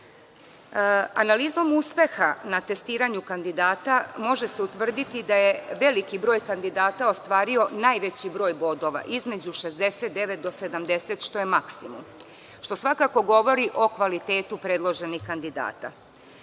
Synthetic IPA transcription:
a̰naliːzo̞muspe̞xanat̪e̞st̪iːɾaɲukand̪id̪aːt̪amo̞ʒe̞seut̪ʋr̩d̪it̪id̪aje̞ʋe̞likibɾo̞ːjkand̪id̪aːt̪aost̪ʋaːɾio̞naːjʋe̞t͡ɕibɾo̞ːjbo̞d̪o̞ʋa̰ʔizme̞d͡ʑuʃe̞zd̪e̞set̪̚d̪e̞ʋet̪̚d̪o̞se̞d̪amd̪e̞set̪ʃt̪o̞jemaksimum | ʃt̪o̞sʋakako̞ɡo̞ʋo̞ɾiʔo̞kʋalit̪e̞ːt̪upɾed̪lˠo̞ʒe̞nixkand̪id̪a̰ːt̪a̰

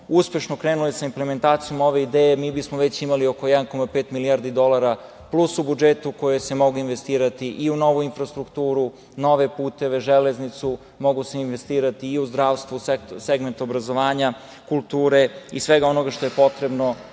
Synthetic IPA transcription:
uspe̞ʃnokɾeːnuloesaimpleme̞nt̪aːt̪sijo̞mo̞ʋe̞id̪eːjemiːbismoʋe̞t͡ɕimaliokojɛd̪anko̞mapeːt̪miliaːɾd̪id̪o̞lˠaɾa | plˠusubud͡ʒet̪uko̞jese̞mo̞ɡuinʋest̪iːɾat̪iʔiuno̞ʋuinfɾast̪ɾukt̪uːɾu | no̞ʋe̞puːt̪e̞ʋe̞ʒeleznit̪su | mo̞ɡuseinʋest̪iːɾat̪iːuzd̪ɾaːʋst̪ʋusekseɡment̪obɾazo̞ʋaːɲa | kulˠt̪uːɾe̞isʋeɡao̞no̞ɡaʃt̪ojepo̞t̪ɾe̞bno̞

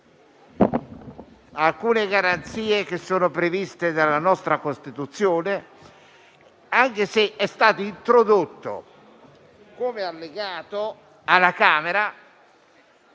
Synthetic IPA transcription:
alkuːneɡaɾant̪siːek̟esːoːnopɾevist̪ed̪alːanɔst̪ɾakost̪it̪ut̪sːjoːne | aŋkeseʔɛst̪aːt̪oint̪ɾod̪ot̪ːo̰ | komealːeɡaːt̪o | alːakaːmeɾa

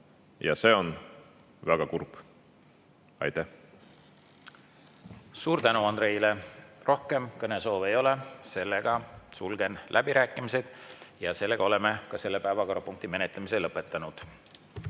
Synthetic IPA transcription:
jɑ̰se̞ːon | væɡ̥ɑkurp | ɑ̰jt̪æh | suːɾt̪ænuɑnd̪̥ɾe̞ilero̞hke̞mkɤne̞so̞ːve̞jo̞lese̞lːe̞ɡ̥ɑsulɡ̥e̞nlʔæbiɾæːkːˑimise̞d̪̥jɑse̞lːe̞ɡ̥ɑo̞le̞me̞kɑse̞lːepæevɑko̞ɾɑpuŋk̚t̪ime̞net̪ˑlemise̞lɤpːˑe̞t̪ˑːɑnud̪̥

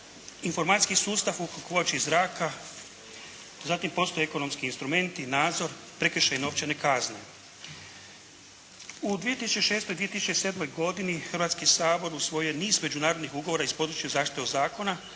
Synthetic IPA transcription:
info̞ɾmat̪i̥skisuːst̪afukokot͡ʃiːzɾaːkʰa | zat̪impo̞st̪oeeko̞no̞mskiːnst̪ɾume̞nt̪inaːd̪zo̞ɾ | pɾe̞kəɾ̩ʃejino̞ːʋt͡ʃene̞kazne̞̰ | ud̪ʋije̞t̪isut͡ʃe̞ʃe̞ːst̪o̞jd̪ʋije̞t̪isut͡ʃese̞d̪mo̞jɡo̞d̪inixrʋat̪skisaːbo̞ɾusʋo̞jeniːzme̞d͡ʒunaːɾo̞d̪nixuɡoʋo̞ːɾaispo̞d̪ɾut͡ʃjuzaːʃt̪i̥t̪eod̪zaːko̞na

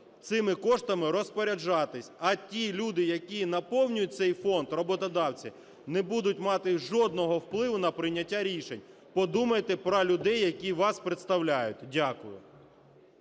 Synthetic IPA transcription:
t̪sɪmɪkɔʃt̪ɐmɪɾɔspɔɾʲɐd͡ʒɑt̪ɪsʲɐtʲilʲud̪ɪjɐkʲinɐpɔwnʲʊjʊt̚ʲt̪sɛjfɔnd̪rɔbɔt̪ɔd̪ɑwt͡sʲi | nɛbud̪ʊtʲmɑt̪ɪʒɔd̪̚nɔɦɔwplˠɪʋʊnɐpɾɪnʲːɐtʲːaɾʲiʃenʲ | pɔd̪umɐjet̪ɛpɾɔlʲʊd̪ɛjːɐkʲiʋɑspɾet̪st̪ɐwlʲajʊt̚ʲdʲakʊjʊ̰

